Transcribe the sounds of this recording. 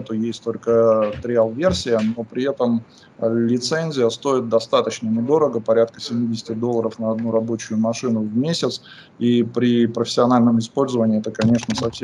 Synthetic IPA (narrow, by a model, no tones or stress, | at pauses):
ɛt̪ʊjesʲtʲt̪o̞lʲkət̪ɾʲɪalˠvʲe̞rsʲɪjəno̞pɾʲɪɛt̪əm | lʲɪt̪senʲzʲɪjəst̪o̞ɪt̪̚d̪ɐst̪at̪ət͡ɕnəmɪd̪o̞ɾəɡəpɐɾʲat̪̚kəsʲɪmʲidʲɪsʲɪ̥tʲɪd̪o̞lˠːəɾəfnəɐd̪nuɾɐbo̞t͡ɕʊjʊmɐʂɨnʊvmʲesʲɪt̪s | ipɾʲɪpɾəfʲɪ̥sʲɪɐnalʲnəmɪspo̞lʲzəvənʲɪɛt̪əkɐnʲe̞ʂnəsɐfsʲe